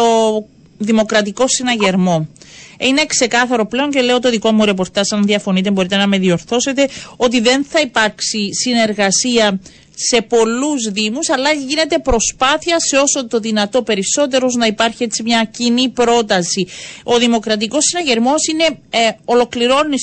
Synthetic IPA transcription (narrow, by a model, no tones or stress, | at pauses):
o̞ | ðimo̞kɾɐt̪iko̞sːinɐʝe̞ɾmo̞ine̞kse̞kɐθɐɾo̞ple̞o̞ɲce̞le̞ot̪oðiko̞muɾe̞p̬o̞ɾt̪ɐsɐnðiɐfo̞nit̪embo̞ɾit̪e̞nɐme̞ðio̞ɾθo̞se̞t̪e̞o̞t̪̬iðe̞nθɐipɐɾksisine̞ɾɣɐsiɐ | se̞po̞luzðimusɐlːɐʝine̞t̪e̞pɾo̞spɐθiɐseo̞so̞t̪o̞ðinɐt̪o̞pe̞ɾiso̞t̪̬e̞ɾoznɐipɐɾçie̞t͡simɲɐcinipɾo̞t̪ɐsio̞ðimo̞kɾɐt̪̬iko̞sːinɐʝe̞ɾmo̞sine̞o̞lo̞kliɾo̞ni